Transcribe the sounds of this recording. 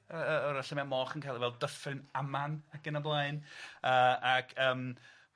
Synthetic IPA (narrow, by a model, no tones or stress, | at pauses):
əəɔɾaɬəmɛmɔːχənkʰajlˠivɛlˠdəfrɨnamanaɡ̥ənəblˠaɨnəːaɡʰəːm